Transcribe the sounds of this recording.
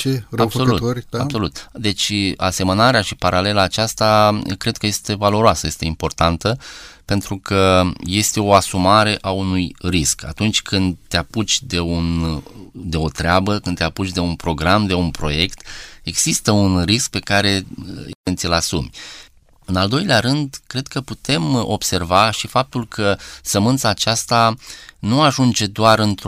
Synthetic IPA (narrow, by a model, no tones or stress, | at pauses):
t͡ʃeɾaso̞lut̪oɾʲabso̞lut̪d̪e̞t͡ʃʲase̞mənaɾeaʃipaɾale̞laːt͡ʃast̪akɾe̞d̪̚kəje̞st̪e̞valo̞ɾoasəje̞st̪eimpo̞rt̪ant̪əpe̞nt̪ɾukʰəje̞st̪e̞o̞asumaɾe̞ʔaunujriska̰t̪unt͡ʃʲkʰɨnd̪̚t̪eaput͡ʃʲd̪e̞un | d̪e̞o̞t̪ɾeabəkɨnd̪eaput͡ʃʲd̪e̞unpɾo̞ɡɾamd̪e̞unpɾo̞je̞kt̪e̞ɡz̥ist̪əunrisk̚pe̞kaɾe̞ivent̪sʲilasumʲ | ɨnald̪o̞jleaɾɨnd̪kɾe̞d̪̥̚kəput̪e̞mo̞̰bse̞rvaʃifap̚t̪ulkʰəsəmɨnt̪saːt͡ʃast̪anuaʒund͡ʒe̞d̪oaɾɨnt̪